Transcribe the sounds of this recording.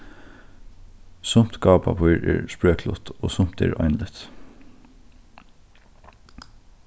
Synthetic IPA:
sʊm̥t̪ɡɑːpapʰɔjɾɛ̰ːɹspɹøːklʊ̰t̪ɔːsʊm̥t̪ɛ̰ːɹɔ̰jnlɪt̪

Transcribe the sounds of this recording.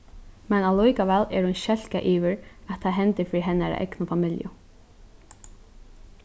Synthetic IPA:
mɛnalɔjkaʋɛːlɛ̰ɾhʊnʃɛl̥kaʔiːʋɪɾat̪ʰːaðɦɛnt̪ɪɾfiːɾiɦɛnːaɾa̰ʔɛ̰knʊfamɪljʊ̰

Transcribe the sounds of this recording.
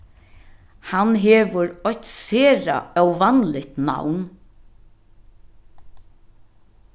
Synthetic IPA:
hanɦɛːʋəɾɔçt̪seːɾa̰œwʋanlɪt̪na̰wn

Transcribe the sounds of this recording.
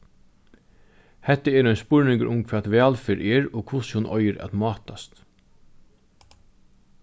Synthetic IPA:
hɛt̪ːəɛːɾɔʏjnspʊɹnɪŋkə̰ʔʊmkʰʋaːt̪ʋæːlfeːɾʔɛːɹɔkʰʊshʊnʔɔ̰jɪɾʔa̰t̪mɑːt̪ast̪

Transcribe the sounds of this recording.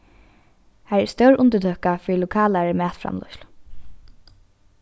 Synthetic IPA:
haːɾɛst̪œwɹʊnt̪ət̪ʰœːkafiːɾlʊkʰaːlaɹəmæːt̪fɾa̰mlʊ̰ʃl̥

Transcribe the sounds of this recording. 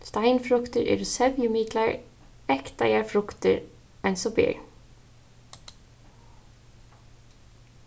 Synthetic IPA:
st̪æɪnfɾʉkt̪əɹʔɪ̰ːɾʊsɛʋjʊmiːt̪lɑɹ | ɛkt̪ɑjæːɹfɾʊkt̪əɹ | ɛnsɔbḛːɹ

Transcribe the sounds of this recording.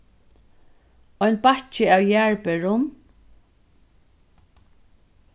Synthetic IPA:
ɔjnpat͡ʃɪaːwjæɹpɛɹʊm

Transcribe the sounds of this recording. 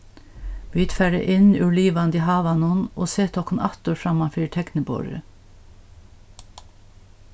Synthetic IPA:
b̥yːd̪fæːɖə̰ʔɪnʉlyːʋɑnd̪ihɑːʋɑnunoːseːt̪ʰɔkənʔɑt̪oːɾfɾɑmɑfyːʈʰɛknəbo̰ːɾə̰

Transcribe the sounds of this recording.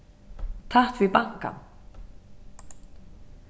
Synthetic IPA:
t̪ʰaht̪viðpaŋ̥ka̰m

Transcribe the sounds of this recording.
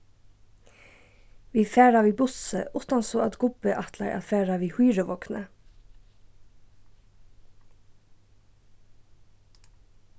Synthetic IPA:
ʋiːfæːɹɑʋiːbʊsə̰ʔʊt̪ɑnsoːɑt̪ɡʊbəʔɑt̪ʰlɑ̰ɪʔɑ̰fæːɾɑʋiːhyːɾəʋɔknə

